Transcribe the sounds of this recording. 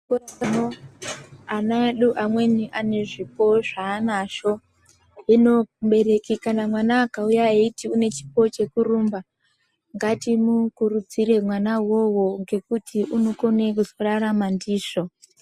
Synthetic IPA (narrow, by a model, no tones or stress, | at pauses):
koamo | anaɗuʔamwe̞niʔane̞ʐipo̞ʐaːnaʃo̞ | ɦino̞ɓe̞ɾe̞kikanamwanaːkaujaitiune̞t͡ʃi̥po̞t͡ʃe̞kuɾumba | ŋɡatimukurud͡ziɾe̞mwanawo̞wo̞ŋɡe̞kutʰiʔuno̞ko̞nekuzoraɾamandiːʂo